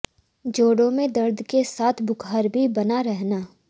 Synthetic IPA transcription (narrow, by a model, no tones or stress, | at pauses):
d͡ʒoːɽõmẽd̪ɐɾd̪ʱkesaːt̪ʰbʊkɦaːɾbʱibɐnaɾɛɦnaː